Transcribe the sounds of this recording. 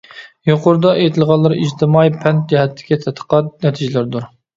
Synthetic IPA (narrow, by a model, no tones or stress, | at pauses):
joqʊɾd̪ɑʔet̪ʰɪlˠʁɑlˠːɨɾɨiʒt̪ʰɪmɑjpʰɛnt̪̚d͡ʒɛɦɛt̪ʰːɪ̥kʲit̪ʰɛt̪ʰːə̥qɑt̪nɛt̪ʰɪd͡ʒɪlɪɾd̪uɾ